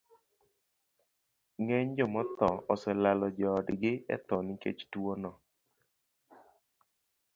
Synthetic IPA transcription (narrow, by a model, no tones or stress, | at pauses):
ŋeɲd͡ʒɔmɔt̪ɔɔsɛlalɔd͡ʒɔːdɡɪɛ̰t̪ɔnɪkḛt͡ʃtwonɔ